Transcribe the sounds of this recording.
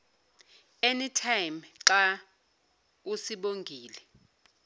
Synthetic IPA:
enitʰajmǁa | usiɓoŋɡʱiːlɛ

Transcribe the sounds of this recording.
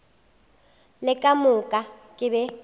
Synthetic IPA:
lɪkʼamʊkʼakʼɪbɛ

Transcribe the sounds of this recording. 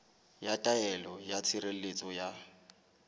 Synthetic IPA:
jatʼaɛlɔjat͡sʰiɾel̩let͡sʼɔja

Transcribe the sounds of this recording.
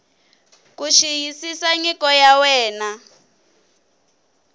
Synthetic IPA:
kuʃijisisaɲikʼɔjawɛːna

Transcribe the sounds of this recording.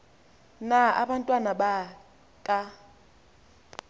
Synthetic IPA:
naa̰ɓantʼwanaba | kʼa

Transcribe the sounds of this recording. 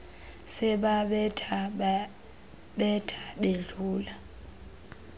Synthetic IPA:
sɛɓaɓɛtʰa | ɓɛtʰḁɓeɮuːla

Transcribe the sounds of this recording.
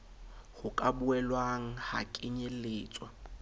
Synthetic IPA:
χʊkʼabuɛlwaŋ̩ha̰kʼɪɲelɪːt͡sʼwa

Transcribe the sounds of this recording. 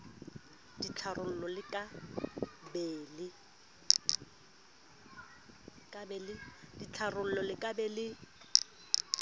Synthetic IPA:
d̥it͡ɬʰarʊl̩lɔlɪkʼa | beːlɪ | kʼabɛlɪd̥it͡ɬʰarʊl̩lɔlɪkʼabɛːlɪ

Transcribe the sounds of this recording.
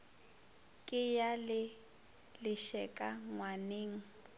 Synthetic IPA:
kʼɪjalɪ | lɪʃɛkʼaŋwaneːŋ̩

